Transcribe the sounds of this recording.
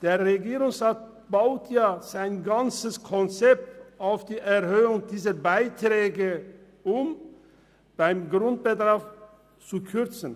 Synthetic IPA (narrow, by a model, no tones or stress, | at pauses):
d̥eːɐʁeɡiːʁʊŋsʁaːt̚ | b̥aʊtʰjaːz̥aɪnɡant͡səskʰɔnt͡sɛp̚taʊfd̥iːʔɛʁhøːʊŋdiːzɐbaɪtʁ̥ɛːɡə | ʊm | b̥aɪmɡʁʊnt̚b̥ədʁaf | t͡sukʰʏʁt͡sn̩